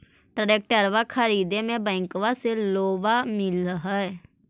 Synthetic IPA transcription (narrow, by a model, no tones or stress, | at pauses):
ʈɾəɾek̚ʈəɾʋakʰəɾiːd̪emẽbɛ̃ːŋkʋaseloːbamɪlɦɛɛ